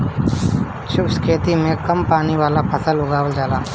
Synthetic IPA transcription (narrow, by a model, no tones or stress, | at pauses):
t͡ʃʰʊbskʰeːt̪imẽkɐmpaːniʋaːlapʰəsəlʊɡaːwəld͡ʒaːlaː